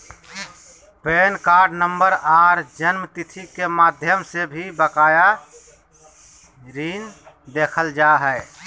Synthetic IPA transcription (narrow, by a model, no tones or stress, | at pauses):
peːnkaːɾɖnəmbəɾaːɾd͡ʒənmt̪it̪ʰikemaːd̪ʱjəmsebʱibəkaːja | ɾiːn | d̪eːkʰəld͡ʒaɦɛ